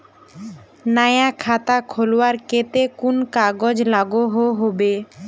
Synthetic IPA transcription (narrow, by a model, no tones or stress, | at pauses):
najakʰat̪akʰolowaɾket̪ekunkaɡod͡ʑlaɡoɦoɦobe